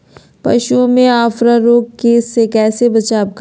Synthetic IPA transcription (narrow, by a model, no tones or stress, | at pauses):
pɐ̰ʃuõmẽaːfɾaɾoːɡkeːsːekɛːsebɐt͡ʃaːb̚k